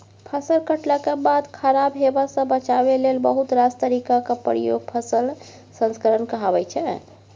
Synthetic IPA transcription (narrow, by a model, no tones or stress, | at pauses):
pʰəsəlkəʈləkebad̪kʰəɾabɦebasə̃bət͡ʃabelelbəɦut̪ɾast̪əɾikakepəɾijoɡ̚pʰəsəl | sə̃nskəɾənkəɦabɛt͡ʃʰɛ